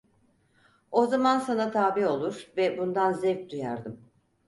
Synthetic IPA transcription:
o̞zamansanat̪ʰaːbio̞lˠuɾvɛbund̪anzɛvtd̪uja̰ɾd̪ɯm

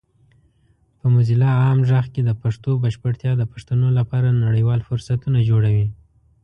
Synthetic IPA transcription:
pəmʊzilɑːmʒaxked̪əpaʂt̪obəʃpəʈt̪jɑd̪əpaʂt̪anolapɑɾanaɽəjwɑlfʊɾsat̪unad͡ʒoɽawi

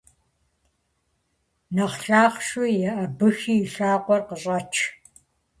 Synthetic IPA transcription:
nɐχɬaːχʂʊjɐʔɐbɨxiːɬaːqʷɔrqəɕʼɐt͡ʃʰ

